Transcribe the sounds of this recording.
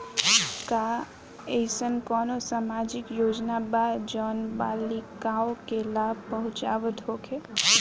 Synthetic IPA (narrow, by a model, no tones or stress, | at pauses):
ka | esənkɔːnosaːmad͡ʒɪkjoːd͡ʒnabadd͡ʒɔːnbaːlikaõkelaːbpəɦʊ̃t͡ʃa̰ːʋət̪ɦokʰe